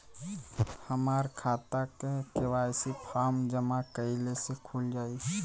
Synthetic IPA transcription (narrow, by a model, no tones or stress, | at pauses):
həmaːɾkʰaːt̪akekeʋaːjsipʰaːmd͡ʒəmakəɪlesekʰuːld͡ʒaːi